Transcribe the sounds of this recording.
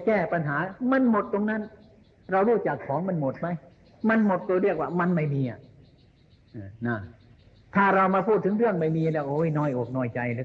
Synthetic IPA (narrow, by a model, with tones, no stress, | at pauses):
kɛː˥˩pa˧nɦaː˩˦ma˧˥˨nmo˨˩t̪ːo˧ŋna˦˥˨n | ɾa˧wɾuː˥˩t͡ɕa˨˩kʰːɔː˨˦ŋma˧˥˨nmo˨˩t̪̚ma˦˥j | ma˧˥nmo˨˩t̪̚ːo˧ɾɯ˥˩ək̚waː˧˩ma˧˨nma˧˥˩jmiː˧ʔa̰˨˩ | ʔɯː˧˩na˧˩ | t̪ʰaː˧˩ɾa˧wmaː˧pʰuː˥˩t̪ʰːɯ˨˦ŋɾɯ˥˩əŋma˧˩jmiː˧lɛː˧˩wʔoː˧˦˧jnɔː˧˩jʔoː˨˩k̚nɔː˧˥˩jt͡ɕa˧jlɯ˦